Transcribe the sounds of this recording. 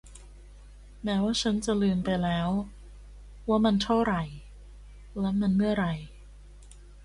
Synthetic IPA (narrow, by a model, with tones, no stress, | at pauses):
mɛː˦˥waː˥˩t͡ɕʰa˦˥nt͡ɕa˨lɯː˧mpa˧jlɛː˦˥w | waː˥˩ma˧nt̪ʰa˥˩wɾa˨˩j | lɛ˦˥ma˧nmɯ˥˩ɐɾa˨˩j